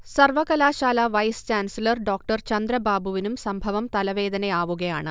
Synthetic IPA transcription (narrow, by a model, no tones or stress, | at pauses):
sɐrʋɐɣɐlaːɕaːlɐʋɐjst͡ɕaːnsilɐrɖo̞ːk̚ʈɐrt͡ɕɐnd̪ɾɐbaːbʱuʋinumsɐmbʱɐʋɐmt̪ɐlɐʋe̞ːd̪ɐnɐaːʋuɣɐjaːɳɨ̰